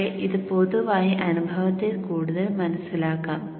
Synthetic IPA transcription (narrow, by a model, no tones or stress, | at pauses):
eʔiðɨpoðuʋaːjiʔɐnubʱɐʋɐt̪ːekuːɽuðɐlmɐnɐsilaːkːaːm